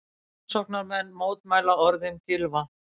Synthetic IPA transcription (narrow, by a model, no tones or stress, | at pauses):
sɔhknaɾmɛnːmoːwt̪̚maːjlaɔɾðɪmcɪlva